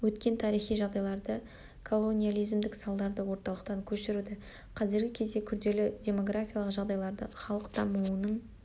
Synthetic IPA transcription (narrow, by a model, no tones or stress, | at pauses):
wɵt̪kʲe̞nt̪ʰɑɾijχijʒɑʁd̪ɑjlˠɑɾd̪ə | kʰo̞lˠo̞nʲijalˠijzmd̪ɪksɑlˠd̪ɑɾd̪əwo̞ɾt̪ɑlˠəq̚t̪ɑŋkʲʰɵʃɪɾud̪ɪ | qʰɑzɪɾɡʲɪkʲʰe̞zd̪e̞kʲʰʏɾd̪e̞lɪdʲe̞mo̞ɡrafʲijalˠəqʒɑʁd̪ɑjlˠɑɾd̪əχɑlˠəqt̪ʰɑmuənəɴ